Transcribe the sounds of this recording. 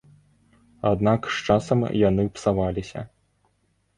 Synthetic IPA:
ad̪nakʂt͡ʂasɐmjanɨpsavalʲisʲɐ̰

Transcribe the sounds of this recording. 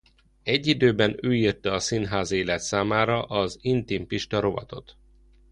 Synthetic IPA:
ɛɟːid̪øːbɛnøːirt̪ɛɒsinɦaːzeːlɛt̪saːmaːɾɒʔɒzint̪impiʃt̪ɒɾo̞vɒ̰t̪o̞̰t̪

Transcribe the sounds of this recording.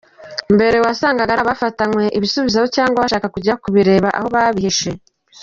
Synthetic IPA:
mbe̞ɾe̞wasaːŋɡaɡaɾaβafatanwe̞ʔiβisuβizaβocaːŋɡwaβaʃaːkakuɟakuβiɾe̞ːβaʔa̰ho̞βaβihiʃe̞

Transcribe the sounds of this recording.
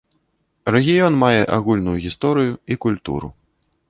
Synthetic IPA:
rɛɣʲijɔnmajɛʔaɣulʲnujuɣʲist̪ɔɾɨjuikulʲt̪ṵɾṵ

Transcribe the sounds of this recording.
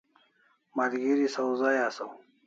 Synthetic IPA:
maɾɡiɾisawzajasaw

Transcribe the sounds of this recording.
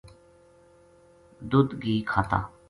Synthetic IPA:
d̪ʊd̪ɡiːkʰaːt̪a̰ː

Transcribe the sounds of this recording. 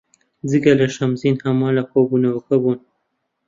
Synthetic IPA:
d͡zikalaʃamzinhamɑlakobunawkabun

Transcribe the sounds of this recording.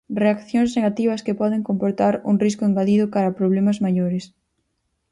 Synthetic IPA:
reakθjoŋsneɣat̪iβ̞ɐskepɔðeŋkompoɾt̪aɾṵŋriskʊeŋɡaðiðʊkaɾɐpɾoβ̞lemɐzmaʎoɾɪs

